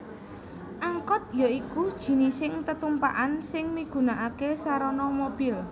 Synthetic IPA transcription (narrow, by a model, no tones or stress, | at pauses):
ʔaŋkɔt̪̚jaikud̥ʒ̥i̤nisɪŋt̪ət̪umpaʔansɪŋmiɡ̥ṳnaʔakesaɾɔnɔmob̥i̤l